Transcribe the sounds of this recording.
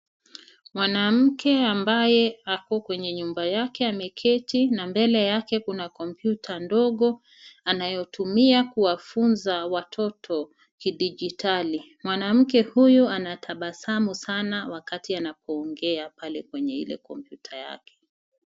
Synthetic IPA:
mwanam̩kɛambajɛakɔkwɛɲɛɲumbajakɛamɛkʰɛtinambɛlɛjakɛkunakɔmpjutʰandɔɠɔ | anajɔtumiakuwafunzawatʰɔtʰɔ | kiɗiʄitʰali | mwanam̩k̬ɛhujuanatʰaɓasamusanawakatianapʰɔːŋɡɛapalɛkwɛɲɛḭlɛ̰kɔmpjutʰaja̰kʰɛ̥

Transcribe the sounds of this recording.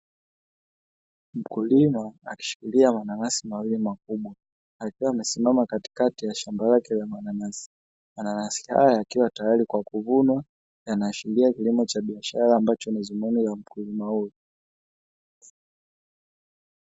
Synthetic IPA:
m̩kulimaaki̥ʃu̥kiliamananasimawilimakuɓwaː | kiwaːmɛsimamakati̥katijaʃambalakɛlamananasi̥ | mananasi̥ha̰jaakiwatajalikwakuvunwa | janaʃiliakilimɔt͡ʃaɓiaʃaɾaːmbat͡ʃɔnizumunilam̩kulimahuj

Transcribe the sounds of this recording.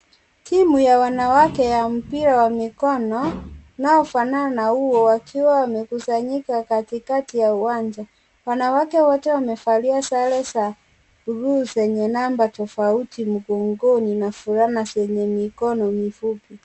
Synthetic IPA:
tʰimujawanawakɛjam̩piɾawamikɔnɔnaɔfananahuwɔwakʰiwawamɛkusaɲikakatikatijauwaɲd͡ʒa | wanawakɛwɔtɛwamɛfaliasalɛsa | uɾuːzɛɲɛnambatɔfautimuɡɔŋɡɔninafuɾanasɛɲɛmikɔnɔmifupi

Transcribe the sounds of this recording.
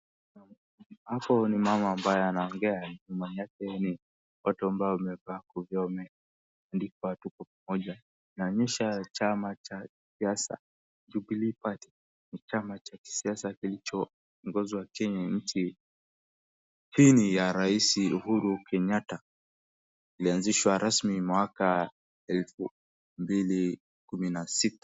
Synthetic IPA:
na | hapɔnimamaːmbajɔanaɔŋɡɛaɲumaɲakɛni | ɔtɔambaɔumɛvakuvjɔmɛ | andikɔatukɔpamɔʄa | inaɔɲɛʃat͡ʃamat͡ʃakisiasa̰ | d͡ʒubilipati̥ | nit͡ʃamat͡ʃaki̥siasakilit͡ʃɔ | ŋɡɔziwakɛɲam̩t͡ʃi | hinijaɾaisiuhuɾukʰɛɲata | ilianziʃwaɾasmimwaka | ɛlfu | mbili | kuminasitḁ

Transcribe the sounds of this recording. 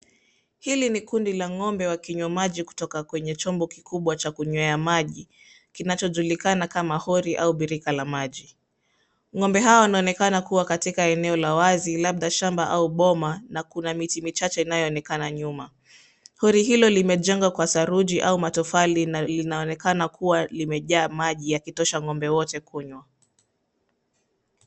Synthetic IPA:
hilinikundilaŋɔmbɛwakiɲwɛmaʄiku̥tɔkakwɛɲɛt͡ʃɔmbɔkikʰuɓwat͡ʃakuɲwɛamaʄi | kinat͡ʃɔʄulikanakamahɔɾiʔauɓiɾikalamaʄi | ŋɔmbɛɦaɔwanaɔnɛkanakuwakatikaɛnɛɔlawazilaɓ̚ɗaʃambaʔauɓɔmanakunamitimit͡ʃat͡ʃɛinajɔːnɛkanaɲuma | hɔɾihilɔlimɛʄɛŋɡwakwasaɾud͡ʒiʔaumatɔfalinalinaɔnɛkanakʰuwalimɛʄaːmaʄijakitɔʃaŋɔmbɛwɔtɛkʰuɲwa

